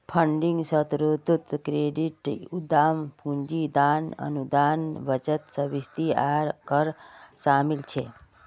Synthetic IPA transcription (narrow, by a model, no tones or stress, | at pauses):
pʰəɳɖĩŋɡsət̪ɾut̪ut̪kɾeɖiʈud̪aːmpũɲd͡ʒid̪aːnə̰nud̪aːnʋət͡ʃət̪səʋist̪iaɾkəɾʃaːmilt͡ʃʰe